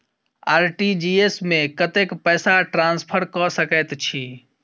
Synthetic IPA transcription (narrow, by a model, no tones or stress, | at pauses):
aːɾʈid͡ʒiesmẽkət̪ekpɛsaʈɾãnspʰəɾkɔsəkət̪t͡ʃʰi